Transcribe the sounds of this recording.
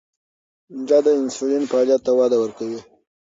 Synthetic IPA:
dɑd̪əɪnsulenpəɑljat̪ːawɑd̪awəɾkawi

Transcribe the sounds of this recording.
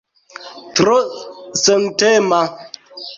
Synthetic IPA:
tɾosəŋtɛma

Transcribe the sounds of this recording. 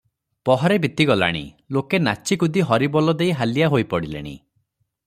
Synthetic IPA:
pɔɦɔɾebit̪iɡɔla̰ɽ̃ḭ | lokenat͡ʃikud̪iɦɔɾibɔlɔd̪ejɦalijaɦojpɔɽilḛɽ̃ḭ

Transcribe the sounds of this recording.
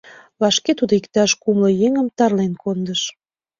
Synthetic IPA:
lɑʃket̪ud̪oikt̪ɑʃkumlojeŋəmt̪ɑrlenkond̪əʃ

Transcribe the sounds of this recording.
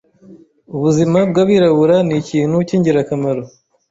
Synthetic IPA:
uβuzimab̚ɡaβiɾaβuɾaniciːn̥huciɲɟiɾakamaɾo

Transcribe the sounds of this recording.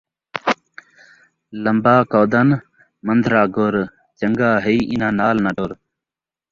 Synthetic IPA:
ləmbaːkoːd̪ən | mənd̪ʱɾaːɡoɾ | t͡ʃəŋɡaːɦəiʔinãːnaːlnaɖoɾ

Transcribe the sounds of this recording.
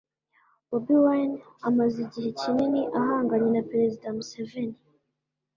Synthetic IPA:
bobiwanamaziɟihe̞cininiʔaɦaːŋɡaɲe̞napeɾezidamuseveni

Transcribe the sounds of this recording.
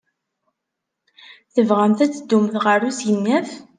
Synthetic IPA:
θəvʁəmθæt͡sːəd̪ːumθʁəɾusjənːæf

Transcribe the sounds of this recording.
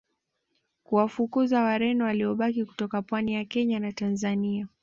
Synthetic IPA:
kuwafukuzawaɾɛnɔwaliɔɓakiku̥tɔkapwanijakɛɲanatanzania

